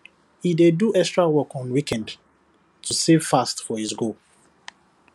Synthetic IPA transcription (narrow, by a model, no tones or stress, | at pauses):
hideduʔɛkstɹawɔkɔ̃nwikɛ̃nd | tʰusevfastfɔhisɡul